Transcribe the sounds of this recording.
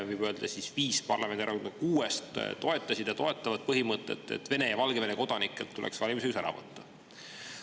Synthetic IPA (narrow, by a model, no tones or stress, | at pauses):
vɯjb̥øld̪̥ɑsisviːspɑrlɑmend̪eɾɑond̪ɑkuːest̪t̪o̞e̞t̪ˑːɑsid̪̥jɑt̪o̞e̞t̪ˑːɑvɑd̪̥̚pɤɦimɤt̪ːˑḛt̪ːˑḛt̪ːve̞ne̞jɑvɑlɡ̥eve̞neko̞d̪̥ɑnikːˑelt̪ːulḛksvɑlʲimis̬ekusæɾɑ̰vɤ̰t̪ːɑ